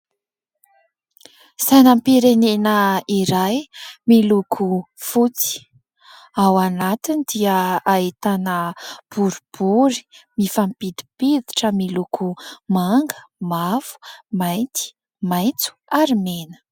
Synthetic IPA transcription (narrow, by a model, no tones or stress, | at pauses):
sajnəmpiɾenenəiɾajmilukʰu | fut͡si̥ | awanat̪inid̪iəait̪anəb̥uɾib̥uɾi̥mifampid̪i̥pid̪iʈ͡ʂəmilukʰumaŋɡəmavu̥majnt̪i̥ | majnt͡su̥aɾimenə̥